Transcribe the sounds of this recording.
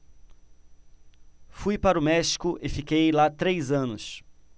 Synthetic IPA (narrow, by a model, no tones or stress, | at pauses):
fujpaɾʊmɛʃi̥kʊʔɪfikejlat̪ɾejzɐ̃nʊs